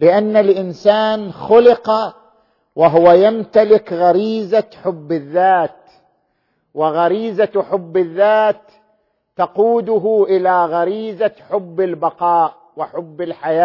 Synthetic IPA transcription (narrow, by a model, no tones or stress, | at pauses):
lɪʔanːalʔɪnsaːnxʊlɪqa | wɪɦʊwajamt̪alɪkɣaɾiːzaħʊbːɪðːaːt̪ | wɪɣaɾiːzaħʊbːɪðːaːt̪ː | ɑquːd̪ʊɦʊʔɪlaɣaɾiːzaħʊbːɪlbɑqɑːʔ | wɪħʊbːɪlħajaː